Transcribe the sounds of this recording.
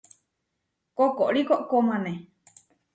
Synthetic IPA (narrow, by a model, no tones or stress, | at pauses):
kokoʔɾikoʔkomãnẽ